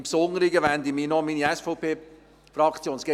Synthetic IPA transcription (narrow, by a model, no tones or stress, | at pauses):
mpsonəɾiɡəʋænd̪imiːnɔminiɛsfɔʊpʰeː | fɾɑkt͡sjoːnsɡ̥ɛ